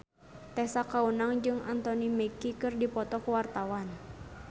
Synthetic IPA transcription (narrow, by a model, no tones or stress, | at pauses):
t̪ɛsakaunaŋd͡ʒɨŋant̪ɔnimɛkikɨrdipɔt̪ɔkuwart̪awan